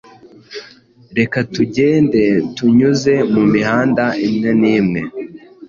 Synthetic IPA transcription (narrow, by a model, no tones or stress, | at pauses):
ɾe̞katuɟe̞ːnde̞tuɲuze̞mumihaːndaimŋeniːmŋe̞